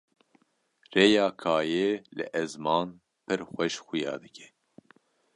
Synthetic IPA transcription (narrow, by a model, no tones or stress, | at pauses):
reːjɑːkʰɑːjeːlɨ̰ʔɛzmɑːn | pʰɨɾxʷɛʃxʊjɑ̰ːd̪ɨkʲʰɛ̥